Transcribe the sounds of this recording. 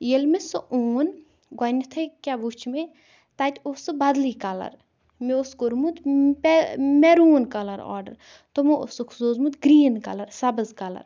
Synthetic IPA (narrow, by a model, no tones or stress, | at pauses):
jelmesoʔuːn | ɡɐnʲit̪ʰɐkʲaʋut͡ʃʰme | t̪at̪ʲosɨbɐd̪likɐlɐ̰ɾ | meoskoɾmut̪pmɛɾuːnkɐlɐɾɔ̰ːɖɐ̰ɾ | t̪omuo̰sokʰzoːzmut̪ɡɾiːnkɐ̰lɐɾsɐbɐzkɐlɐ̰ɾ